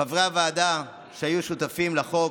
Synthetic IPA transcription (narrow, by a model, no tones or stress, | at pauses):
avʁeavaːd̪a | ʃeajuʃut̪afimlaχo̞